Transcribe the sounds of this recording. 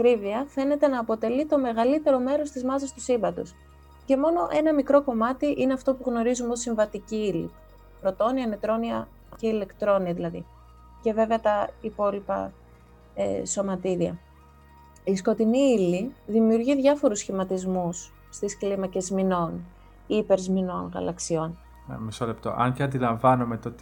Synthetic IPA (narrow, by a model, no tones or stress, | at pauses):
kɾiviɐfe̞ne̞t̪e̞nɐːpo̞t̪e̞lit̪o̞me̞ɣɐlit̪e̞ɾo̞me̞ɾo̞st̪izmɐzɐst̪usimbɐt̪ṵs | ce̞mo̞no̞ʔe̞nɐmikɾo̞ko̞mɐt̪iʔineɐft̪o̞puɣno̞ɾizumo̞siɱvɐt̪iciilḭ | pɾo̞t̪o̞niɐnet̪ɾo̞niɐ | ceile̞kt̪ɾo̞niɐðilɐðḭ | ce̞ve̞veɐt̪ɐipo̞lipɐ̰ | ḛso̞mɐt̪iɾiɐ̰ | isko̞t̪iniiliðimiuɾʝiðʝɐfo̞ɾusçimɐt̪izmusː | t̪isklimɐce̞zmino̞n | ipe̞ɾzmino̞nɣɐ̰lɐksio̞n | mesolept̪o̞̰ʔɐ̰ɲceɐnd̪ilɐɱvɐnomet̪ot̪i